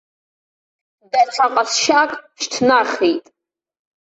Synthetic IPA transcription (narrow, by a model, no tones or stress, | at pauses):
dat͡sʷʰaqʼasʃakʼʃtʰnaχitʼ